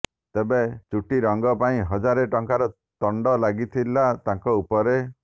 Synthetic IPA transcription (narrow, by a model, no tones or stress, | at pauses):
t̪ebet͡ʃuʈiɾɔŋɡɔpaĩɦɔd͡ʒaɾeʈɔŋkaɾɔ | t̪ɔɳɖɔlaɡit̪ʰilat̪ãŋkɔupɔɾe